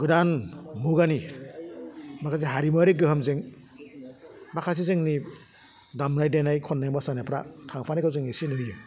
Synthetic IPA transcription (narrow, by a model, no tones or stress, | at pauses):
ɡɯdanmuɡani | makʰas̬iɦaɾimɔɾeɡɯɦamzeŋ | makʰas̬izɯŋni | damnajdenajkʰɔnːajmɔsanapʰɾa̰tʰaŋpʰanikʰawzɯŋesinɯjɯ